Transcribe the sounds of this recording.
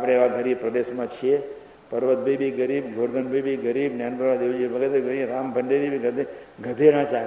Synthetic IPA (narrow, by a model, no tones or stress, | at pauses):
apəɽ̃eeʋãɡʱəɾibpɾəd̪eʃmãt͡ʃʰie | pəɾʋət̪̚bʱebiɡəɾibɡʱoɽɡ̪ʱənbebiɡəɾibnand̪əãd̪iʋd͡ʒibʱəɡet̪eɡəɾiɾambʱəɳɖebibiɡʱəd̪eɡʱəd̪ʱeɾãt͡ʃa